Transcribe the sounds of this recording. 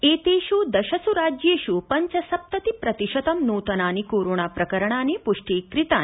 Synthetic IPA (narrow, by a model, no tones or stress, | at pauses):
eːt̪eːʃuːd̪ɐʃɐsuɾaːd͡ʒjeːʃupɐɲt͡ʃɐsɐp̚t̪ɐt̪ipɾɐt̪iʃɐt̪ɐmnuːt̪ɐnaːnikoːɾoːɳaːpɾɐkɐɾɐɳ̃aːnepuʂʈeːkɾit̪aː